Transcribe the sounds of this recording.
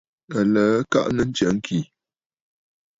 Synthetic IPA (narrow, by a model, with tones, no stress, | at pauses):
ə˨lə˨˦ka̰˦ʔnə˦n̩˦t͡ʃə˨˦ŋ̩˦kʰi˨